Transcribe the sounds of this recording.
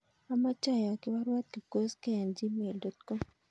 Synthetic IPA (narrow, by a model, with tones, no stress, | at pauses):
a˦ma˦t͡ʃa˦˨ja˨kɪ˦wa˦ɾwa˦t̪̚ki˨ko˦skɛ˦ɛ˨nd͡ʒi˦me˨ldɔ˨t̪ko˦m